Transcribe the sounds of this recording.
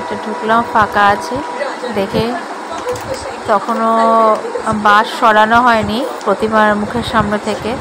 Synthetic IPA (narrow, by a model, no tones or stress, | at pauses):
ɛk̚ʈaɖʱuklamfakaat͡ɕʰe | d̪ekʰe | t̪ɔkʰono | baʃʃɔɽanoɦɔenipɾot̪imaɾmukʰeɾʃamnet̪ʰeke